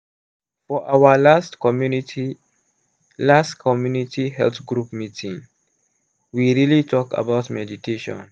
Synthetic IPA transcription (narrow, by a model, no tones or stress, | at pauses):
fɔʔawəlastmuniti | lastkʰɔmjunitihɛ̰lθɡɹupmitʰĩŋ | wiɹilitʰɔka̰baʊtmɛditʰeʃɔ̰̃n